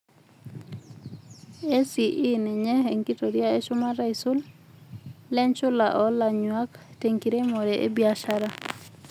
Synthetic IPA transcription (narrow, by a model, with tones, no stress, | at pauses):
e˦si˨ʔi˦nɛ˨ɲɛ˦ɦe˨ŋki˦to˨ɾija˦e˦ʃʊ˦ma˦ɾa˦isʊ˦l | lɛ˦ɲt͡ʃʊ˦la̰˨ʔɔ˦la˨ɲwa˦kte˨ŋki˨ɾe˦mɔ˨ɾɛʔḛ˦bia˨ʃaɾa˦